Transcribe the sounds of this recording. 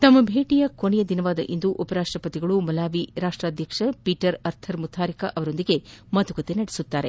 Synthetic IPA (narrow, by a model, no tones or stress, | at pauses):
t̪ɐmːɐbʱeːʈijɐkonɛjɐd̪inɐʋaːd̪ɐʔind̪uʔupɐɾaːʂʈɾɐpɐt̪iɡɐɭumɐlaːʋiɾaːʂʈɾaːd̪ʱjɐkʂɐpiːʈɐɾɐɾt̪ʰɐɾmut̪ʰaːɾikɐʔɐʋɐɾo̞nd̪iɡe̞mɐt̪ukɐt̪enɐɽesut̪ːaːɾe̞̰